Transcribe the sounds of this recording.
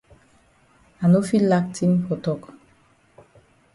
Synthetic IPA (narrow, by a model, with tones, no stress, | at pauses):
a˨no˦fi˦la˦k̚tʰi˦nkɔ˨tɔ˦˨k